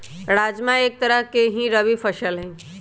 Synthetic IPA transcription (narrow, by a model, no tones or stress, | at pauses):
ɾaːd͡ʒmãeːk̚t̪əɾəɦkeɦĩɾəbifʰəʃəlɦɛ̃